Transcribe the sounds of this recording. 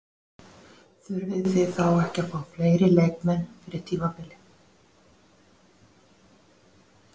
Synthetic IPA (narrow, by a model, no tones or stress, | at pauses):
θʏɾvɪðθɪθawɛhcafaːwafleːjɾɪleːjkmɛnːfɪɾɪɾ̥t̪ʰiːmapɪlɪ